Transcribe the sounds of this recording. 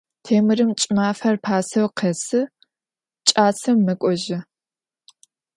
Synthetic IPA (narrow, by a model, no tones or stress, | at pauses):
tʰeːmɨrɨmt͡ʃʼɪmaːfɐrpʰaːsɐwqʰesɨ | t͡ʃʼaːt͡sʰɐmmɨkʷʼɔʒɪ